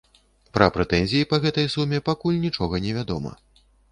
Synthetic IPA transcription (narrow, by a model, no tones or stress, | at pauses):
pɾɐ̰pɾɛt̪ɛnʲzʲijipɐɣɛt̪ɐjsumʲɛpakulʲnʲit͡ʂɔɣɐnʲɛvʲad̪ɔmɐ̰